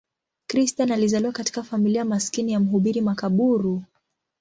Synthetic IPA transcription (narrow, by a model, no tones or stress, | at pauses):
kɾistanalizaliwakati̥kafamiliamaskinijam̩ɦuɓiɾimakaɓuɾu